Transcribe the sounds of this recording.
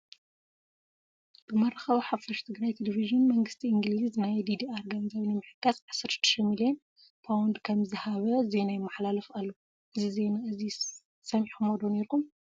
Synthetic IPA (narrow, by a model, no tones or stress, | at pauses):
b̥ɨmɐɾɐxɐwiħafɐʃt̪ʰɨɡɾajt̪ʰeleviʒɨnmɐŋɡɨst̪ʰiʔɨŋɡliznajd̪id̪iaɾɡanizaβinɨmɨħɨ̥kːasʕasɐɾɨ̥t̪ːɨ̥ʃɐmilion | pʰawnd̪kʰɐmzɨhaβɐze̞najmaħlalɐfalːo | ʔɨzize̞naʔɨzi | sɐmħumod̪oneɾkum